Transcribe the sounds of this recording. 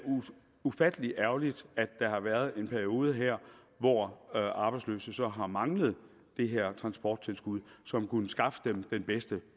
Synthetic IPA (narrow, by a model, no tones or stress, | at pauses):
ufæd̥əliæɐʊlid̥æd̥ːɑ̈ɦɑ̈ʋæɐð̞ˠe̝npʰæɐio̝ːð̞ˠəɦeɐ̰ | ʋɒʔɑ̈b̥ɑ̈ɪdslø̰ːsəsɒ̽ɦɑ̈mɑ̈ŋləð̞̩ˠ | d̥e̝ɦeɐ̰t͡sʰʁɑ̈nsb̥ɒ̰ːd̥̚t͡sʰe̝lsɡ̥uð̞̰ˠsɒ̽mkunəsɡ̥ɑ̈fə̥d̥emd̥enb̥esd̥ə